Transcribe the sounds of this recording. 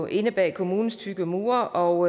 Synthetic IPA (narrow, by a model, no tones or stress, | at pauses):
ʔe̝nəb̥ɛ̰ːkʰo̝muːn̩st͡sʰyɡ̥əmṵːɐʔɒʊ